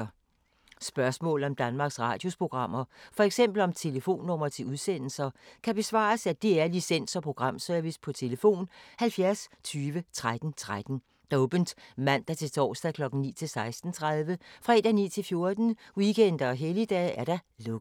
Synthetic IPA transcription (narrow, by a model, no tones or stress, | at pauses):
sb̥ɶɐsmɔ̰̽ːl̩ɒ̽md̥ænmɑ̈ːɡ̥sʁɑ̈ːd̥jo̝spʰo̝ɡ̥ʁɑ̈m̰ɐfɒ̽eɡ̥sem̰b̥l̩ɒ̽mt͡sʰe̝ləfo̝̰ːnːɔ̽m̰ɐt͡sʰe̝uðˠsen̰l̩sɐkʰæb̥e̝sʋɑ̰̈ːsæd̥eæɐlisen̰sɒ̽pʰʁo̝ɡ̥ʁɑ̈m̰søɐʋispʰɒ̽t͡sʰe̝ləfo̝̰ːnhælfjæɐst͡sʰyːʋət͡sʰʁad̥n̩t͡sʰʁad̥n̩ | d̥oːb̥n̩d̥mæn̰d̥ɑ̈t͡sʰe̝t͡sʰɒ̰ːsd̥ækʰlɒ̽ɡ̥n̩nḭːt͡sʰe̝lsɑ̈ɪsd̥n̩t͡sʰʁaðˠʋəfʁɑed̥ænḭːt͡sʰe̝lfjo̝ɐd̥n̩wikʰen̰d̥ɐɒ̽ɦelid̥ɛ̰æɐɾ̥ɑ̈lɔɡ̥